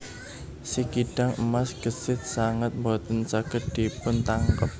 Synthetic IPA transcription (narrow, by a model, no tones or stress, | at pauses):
sikiɖ̥aŋəmasɡ̥əsɪt̪̚saŋət̪̚mbɔt̪ənsaɡ̥əɖ̥i̤pʊnt̪aŋkəp̚